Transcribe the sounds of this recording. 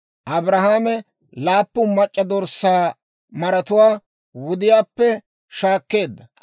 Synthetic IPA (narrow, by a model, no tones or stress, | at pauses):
ʔɐbɾɐhaːmɛ | laːpːʊmɐt͡ʃʼːɐd̪ɔɾsaː | mɐɾɐt̪ʊwaː | wʊd̪ɪjaːpːɛ | ʃaːkːe̞ːd̪ːɐ